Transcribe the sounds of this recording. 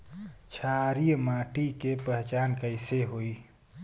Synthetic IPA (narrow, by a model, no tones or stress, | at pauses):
t͡ʃʰaːɾijmaːʈikepɛɦt͡ʃaːnkəɪseɦoːiː